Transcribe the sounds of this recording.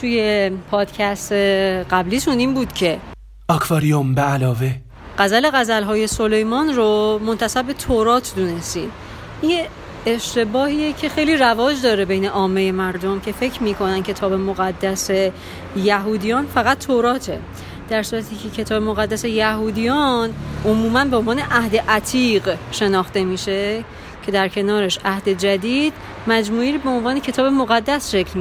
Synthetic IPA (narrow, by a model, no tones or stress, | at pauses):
t̪ʰuːje̞pʰɒːd̪̥cʰæst̪eɢæbliːʃuniːmbuːd̪̥cʰe̞ | ʔɒkʰvɒːɾiombeælɒːve | ɢ̥æzæle̞ɣæzælɦɒːje̞solejmɒːnromo̞nt̪ʰæsæbːe̞t̪ʰoɾɒːt̪ʰd̪une̞st̪ḭːm | inje | eʃt̪e̞bɒːhiːjecʰe̞xe̞jliːrævɒːd͡ʒd̪ɒːɾe̞be̞jne̞ʔɒːmːejemæɾd̪omcʰe̞fe̞cʰɾmiːkʰo̞nænd̪cʰe̞t̪ʰɒːbe̞moɣæd̪ːæse̞ | jæɦuːd̪ijɒːnfæɣæt̪ʰːoɾɒːt̪ʰe | d̪̥æɾsuːɾæt̪ʰiːcʰe̞cʰe̞t̪ʰɒːbe̞moɣæd̪ːæse̞jæhuːd̪ijɒːnʔomuːmænbeonvɒːneʔæhd̪e̞ʔæt̪ʰiːɢʃe̞nɒːxt̪e̞miːʃe̞ | cʰe̞d̪æɾcʰe̞nɒːɾeʃæhd̪e̞d͡ʒæd̪iːd̪ | mæd͡ʒmuːiːɾibe̞onvɒːnecʰe̞t̪ʰɒːbe̞moɣæd̪ːæsʃe̞kʰlmi